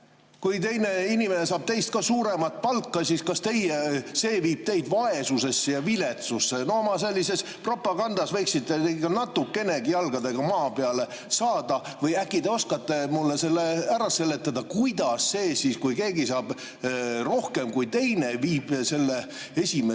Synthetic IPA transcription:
kujt̪e̞jne̞inime̞ne̞sɑːb̥t̪e̞jst̪̚kɑsuːɾe̞mɑt̪̚ˑpɑlkːɑsiskɑst̪e̞jese̞ːviːb̥̚t̪e̞jd̪̥vɑe̞suse̞sːejɑvile̞t̪susːenoomɑse̞lʲːise̞s | pro̞pːˑɑɡɑnd̪̥ɑsve̞jksidt̪t̪ːenekɑnɑt̪ːukːe̞ne̞ɡijɑlɡ̥ɑd̪e̞ɡ̥ɑmɑːpeɑle̞ | sɑːd̪̥ɑvɤjækːˑid̪eo̞skɑt̪ːemulːese̞lːeæɾɑse̞lːe̞t̪ːˑɑd̪̥ɑkujd̪̥ɑsːe̞ːsiskujke̞ːɡisɑːb̥ | ro̞hke̞mkujt̪e̞jneviːb̥se̞lːe | e̞sʲime

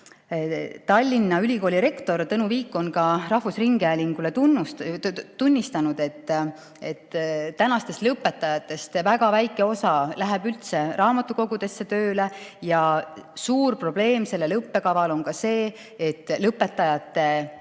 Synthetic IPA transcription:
t̪ɑlʲːinːɑylʲiko̞ːlʲiɾe̞kt̪o̞rt̪ɤnuviːkːˑo̞nkɑrɑhvusriŋɡ̥eælʲiŋɡ̥ule̞t̪unut̪unʲːist̪ɑnud̪e̞t̪ːˑ | et̪ːænɑst̪e̞st̪lɤpːˑe̞t̪ːˑɑjɑt̪ːˑe̞st̪væɡɑvæjkːˑeo̞sɑlæɦebylt̪se̞rʔɑːmɑt̪ːˑuko̞ɡud̪e̞sːe̞t̪øːlejɑsuːrpro̞b̥le̞ːmse̞lːelɤpːe̞kɑvɑlo̞nkɑse̞ː | t̪ːˑlɤpːˑe̞t̪ːˑɑjɑt̪ːˑe̞

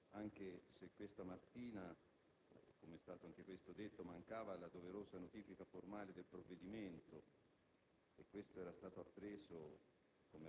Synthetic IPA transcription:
aŋk̟esekwest̪amat̪ːiːna | komeɛst̪aːt̪oaŋk̟ekwest̪od̪et̪ːomaŋkaːvalad̪oveɾoːsanot̪iːfikaformaːled̪elpɾovːed̪iment̪o | ekːwest̪oɛːɾast̪aːt̪oapːɾeːso | kome

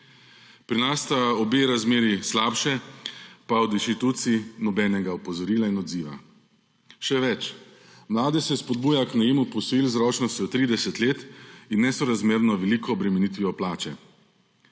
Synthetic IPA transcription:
pɾinast̪aɔbeːɾazmeːɾislaːpʃɛ | paɔd̪inʃt̪it̪ut̪sinɔbɛnɛɡaɔpɔzɔɾiːlainɔd̪ziːʋa̰ | ʃɛʋɛt͡ʃ | mlaːd̪ɛsɛspɔd̪̚buːjaknɛjeːmupɔsilzɾɔːt͡ʃnɔst̪jɔt̪ɾiːd̪ɛsɛt̪leːt̪inːɛsɔɾazmeːɾnɔʋɛliːkɔːbɾɛmɛnit̪ʋiʋɔplaːt͡ʃɛ

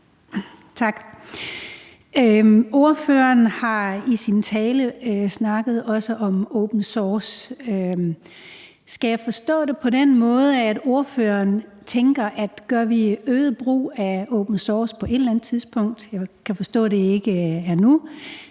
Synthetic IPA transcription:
t͡sʰɑ̈ɡ̥ | o̝ɐføːɐnhɑ̈isint͡sʰɛːləsnɑ̈ɡ̥ð̞̩ˠɒ̽səʔɒ̽moʊb̥n̩sɒːsøm | sɡ̥æjɑ̈ɪfɒ̽sd̥ɔ̰̽ːd̥e̝pʰɒ̽denmɔ̽ːð̞ˠəæd̥o̝ɐføɐn | t͡sʰeŋɡ̥ɐʔæd̥ɡ̥ɶɐʋiøːðˠb̥ʁṵːæoʊb̥n̩sɒːspʰɒ̽ʔe̝d̥lænð̩ˠt͡sʰiðˠsb̥ɔ̽ŋ̰d̥jɑ̈kʰæfɒ̽sd̥ɔ̰̽ːd̥e̝e̝ɡ̥əæɐnu

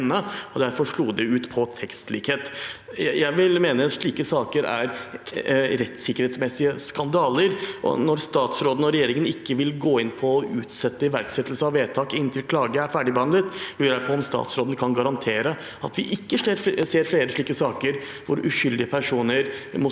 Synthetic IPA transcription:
nːəɔd̪æɾfɔʂɭuːd̪ɛʉːt̪pʰɔt̪ʰɛkst̪liːkheːt̪ | jæɪʋɪlmeːnəɑt̪ʂɭiːkəsɑːkəɾæ̰ɾ | ɾɛt̪sɪkəɾheːt̪smɛsɪəskɑnd̪ɑːləɾʔɔ̰nɔɾst̪ɑːt̪sɾoːd̪n̩ɔɾɛjeːɾɪŋənɪkːəʋɪlɡoːɪnpʰɔːʔʉːt̪sɛt̪ːəɪʋæɾksɛt̪ːəlsəɑʋʋeːt̪ʰɑːkɪnnt̪ʰɪlkʰlɑːɡəæɾfæːɖɪbəhɑnd̪ɾət̪lyːɾæpʰɔɔmst̪ɑ̰ːt̪sɾoːd̪n̩kʰɑnɡɑɾɑnt̪ʰeːɾə | ɑt̪ʋɪ̰ʔɪkːəʂɾseːɾfleːɾəʂɭiːkəsɑːkəɾ | ʋʊɾʉ̰çʏld̪ɪəpʰæʂuːnəɾmɔ

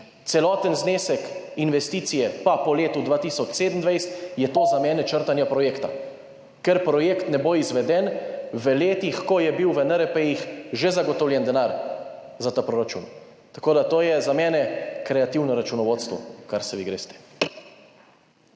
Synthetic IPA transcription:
t̪sɛlɔːt̪ənzneːsɛkinʋɛst̪iːt̪sijɛpapɔleːt̪ud̪ʋaːt̪isɔt͡ʃseːd̪nd̪ʋajst̪jɛt̪oːzamɛːnɛt͡ʃəɾt̪anjapɾɔjeːkt̪a̰ | kɛɾpɾɔjeːkt̪nɛboizʋɛd̪ɛnʋəleːt̪ixkɔjɛbiwʋɛnəɾɛpɛixʒɛzaɡɔt̪ɔwlʲjɛnd̪ɛnaːɾ | zat̪apɾoɾat͡ʃṵːn | t̪ḁkoːd̪at̪oːjɛzamɛːnɛkɾɛat̪iwnɔɾat͡ʃunɔʋoːt̪st̪ʋɔ̰kaɾsɛʋiɡɾḛːst̪ɛ̥

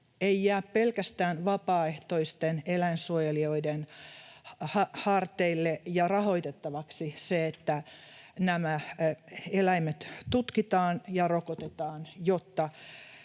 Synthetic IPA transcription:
eiːæːppelkæst̪æːnʋɑpɑːeht̪oist̪enelæinsuojelioiden | hɑhɑrt̪eilːejɑrɑho̞it̪et̪ːɑʋɑksiseet̪ːænæmæ | elæimet̪t̪ut̪kit̪ɑːnjɑrokot̪et̪ɑːnjot̪ːɑ

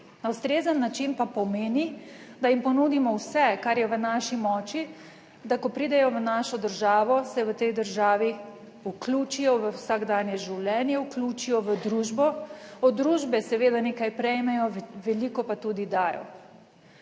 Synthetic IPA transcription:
nawst̪ɾeːzənːat͡ʃinpapɔmeːnid̪ajimpɔnud̪imɔwsɛkaɾjɛʋənaʃimɔːt͡ʃi | d̪akɔpɾiːd̪ɛjɔʋənaʃɔd̪əɾʒaːʋɔsɛʋət̪ɛjd̪əɾʒaːʋi | ukluːt͡ʃijɔʋəwsaɡd̪aːnjɛʒiwlʲɛːnjɛuklʲuːt͡ʃijɔʋəd̪ɾuːʒbɔɔd̪ːɾuːʒbɛsɛʋeːd̪aneːkajpɾɛjmɛjɔʋɛlikɔpat̪uːd̪id̪aːjɔ̰

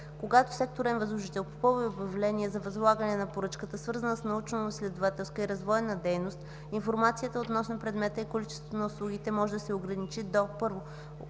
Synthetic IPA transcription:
koɡat̪o̥sɛk̚t̪oɾɛnvɐzlˠʊʒit̪ɛlˠpo̥pɔviobɐvlɛniɛzɐvɐzlˠaɡənɛnɐpoɾɤt͡ʃkət̪əsvɤɾzənəsnɐut͡ʃnoslʲɛd̪ovat̪ɛlˠst̪voiɾɐzvɔjɛnəd̪ɛjnost̪ | infoɾmat̪sijət̪əot̪nɔsnopɾɛd̪mɛt̪əikolit͡ʃɛ̥svot̪onəuslˠuɡʲit̪ɛmɔʒɛd̪ɐsɛoɡɾɐnit͡ʃid̪opɤɾvo

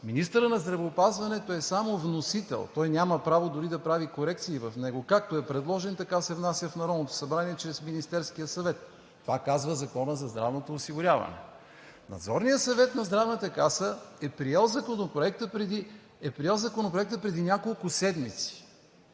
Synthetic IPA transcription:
minist̪əɾənɐzd̪ɾɐvɛːpazvɐnɛt̪oɛsamovnosit̪ɛ̰lˠt̪ɔjnʲaməpɾavod̪ʊɾid̪ɐpɾavikoɾɛk̚t̪siːvɐfnɛɡoʊkak̚t̪oɛpɾɛd̪lˠɔʒɛnt̪ɐkasɛvnasʲjəfnɐɾɔd̪not̪o̥sɐbɾaniɛt͡ʃɾɛsminist̪ɛɾskijəsɐvɛt̪ː | ovakazvəzɐkɔnəzɐzd̪ɾa̰vnot̪oːsiɡʊɾʲavɐ̰nɛ̰ | nɐ̰d̪zɔɾnijəsɐvɛt̪nɐzd̪ɾavnət̪əkasəɛpɾijɛlˠzɐkonopɾoɛk̚t̪əpɾɛd̪i | ɛpɾiɛlˠzɐkonopɾoɛk̚t̪əpɾɛd̪inʲakolˠkʊsɛd̪mit̪si̥

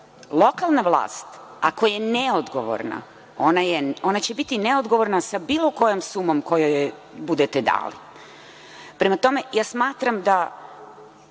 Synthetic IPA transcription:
lˠo̞kalˠnaʋlˠa̰ːst̪ | akojeneod̪ɡoʋo̰ɾna̰ | o̞najeo̞nat͡ɕe̞bit̪ineod̪ɡo̞ʋo̞ɾnasabiːlˠo̞ko̞jomsumo̞mko̞joje | bud̪et̪ed̪a̰ːlḭ | pɾe̞mat̪o̞me̞jaːsmaːt̪ɾamd̪a

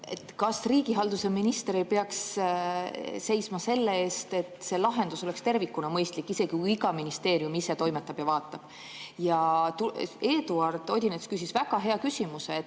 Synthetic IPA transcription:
e̞t̪ːˑkɑsriːɡ̥iɦɑld̪useminist̪e̞ɾipe̞ɑks | se̞jsmɑse̞lːee̞ːst̪e̞t̪ˑse̞lɑɦe̞nd̪̥uso̞le̞kst̪e̞rvikːˑunɑmɤjst̪likːˑise̞ɡ̥ikuiɡɑminist̪e̞ːɾjumise̞t̪o̞jmet̪ːˑɑb̥jɑvɑːt̪ːˑɑb̥ | jɑt̪ueːd̪uɑrd̪̥o̞d̪ʲinet̪skys̬isvæɡ̥ɑɦe̞ɑkysimuse

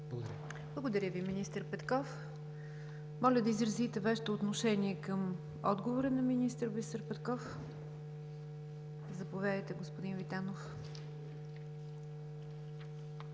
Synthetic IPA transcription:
blˠəɡod̪ɐɾʲəviminist̪əɾpɛt̪kɔf | mɔlʲəd̪ɐizɾɐzit̪ɛvaʃɛ̥t̪oːt̪noʃɛniɛkəm | ɔ̰d̪ɡovoɾənɐminist̪əɾvisəɾpɛt̪kɔf | zɐpovʲad̪əjt̪ɛɡospod̪invit̪anof

